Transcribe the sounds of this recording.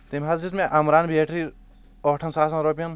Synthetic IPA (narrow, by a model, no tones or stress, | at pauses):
t̪emʲɦɐzd͡ʒismẽʔɐmɾaːnbʱeːʈʰɾi | ɔːʈʰɐnsaːs̬ɐnɾoːp̬ijɐn